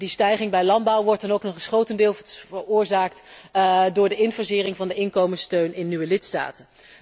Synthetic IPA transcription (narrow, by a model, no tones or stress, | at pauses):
distɛjχɪŋbɛjlɑnd̚bʌwʋɔɹtɑnowknɔχəsχowtəndɪːlˠvəʊːɹzaːkt | dʊːɹdəɪnfəzɪːrɪŋvɑndəɪnkowmənstøɥnɪnːyʋəlɪtsta̰ːtən